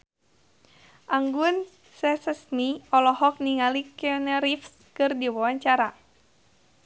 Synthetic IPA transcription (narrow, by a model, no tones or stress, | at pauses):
ʔaŋɡun | sɛsəsniɔlɔhɔk̚niŋalikɔnɛɾifs | kɨrdiwawaɲt͡ʃaɾa